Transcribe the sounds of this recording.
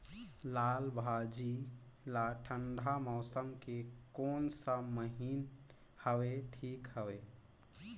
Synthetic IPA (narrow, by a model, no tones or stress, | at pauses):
lalbʱad͡ʒi | laʈʰənɖ̪ʱamɔʊsəmkekoːnsəməɦin | həweʈʰikɦəwe